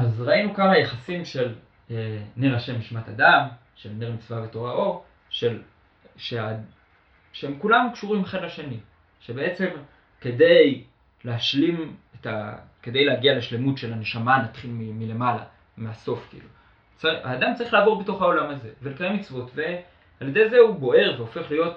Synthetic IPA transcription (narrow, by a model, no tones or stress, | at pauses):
ʔazʁainukaχajaχasimʃe̞l | eniʁaʃe̞miʃmatadam | ʃelniʁmit͡svaveto̞ʁaʔo̞ʁ | ʃel | ʃea | ʃeemkulamkʃuʁimχedlaʃe̞ni | ʃe̞be̞e̞t͡se̞m | ke̞de̞j | leaʃlimetake̞de̞jleaɡialeʃle̞mutʃe̞laneʃamanatχilmimile̞mala̰ | measo̞fkiḭlu | t͡saa̰ːdamt͡saʁiχlaːvo̞ʁbeto̞χao̞lamaze̞velekaʁemit͡svo̞tve̞ | alje̞d̪e̞jzeubo̞ʔe̞ʁveofe̞χlijo̞t